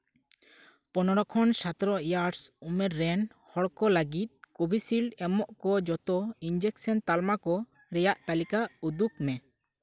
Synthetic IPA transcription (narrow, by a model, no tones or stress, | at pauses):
pɔnɔɾɔkʰɔnsat̪ɾɔjaɾɾsumɛɾːɛn | hɔɽkɔlaɡit̪̚ˀkobʱisilɖɛmɔʔkɔd͡ʒɔt̪ɔind͡ʒɛksɔnt̪almakɔ | ɾɛjaʔt̪alikaud̪uk̚mɛ